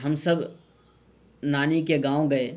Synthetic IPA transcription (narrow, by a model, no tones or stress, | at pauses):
ɦɐmsəb | naːnikeɡãːõɡɐe